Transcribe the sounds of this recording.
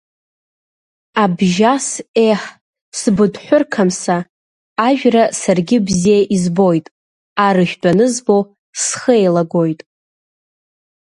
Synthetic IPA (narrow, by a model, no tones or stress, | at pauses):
abʒaseħ | sbɨdħʷᶣʊrkʰamsaː | ʒᶣrasarɡʲɪbzijaʔizbo̞jtʼ | aɾɨʃᶣdanɨzbo̞ | sχəejlaɡo̞jtʼ